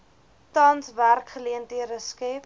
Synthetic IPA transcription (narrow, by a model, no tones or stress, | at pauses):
tɐnsværkχəliəntiəɾəskɛp